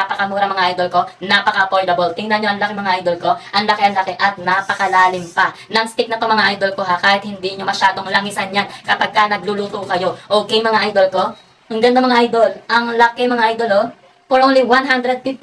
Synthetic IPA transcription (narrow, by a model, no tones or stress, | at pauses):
apɐkɐmuːɾɐŋmɐŋaʔajd̪o̞lko̞napɐkɐʔɐpoɹd̪ɐbolt̪ɪŋnɐɲoʔɐŋlɐkɪmɐŋaʔajd̪o̞lko̞ʔɐŋlɐkeʔɐŋlɐkɛʔɐt̪̚napɐkɐlaːlɪmpɐnɐŋst̪ɪk̚nɐpɐmɐŋaʔajd̪olko̞ɦakaːhɪt̪̚hɪnd̪iɲomɐʃaːd̪o̞ŋlɐŋɪsɐnjankɐpɐɡ̚kanɐɡ̚luluːt̪okɐjo̞ʔoːkɛjmɐŋaʔajd̪olko̞ | ŋɡɐnd̪ɐmɐŋaʔajd̪o̞lʔɐŋlɐkɛmɐŋaʔajd̪olo | poɾʔoːnliwanɦand̪ɾɛd̪̚fɪft̪